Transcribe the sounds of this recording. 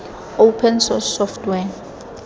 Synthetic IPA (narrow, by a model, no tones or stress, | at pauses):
owpʰɛnsɔsɔftʰwɛ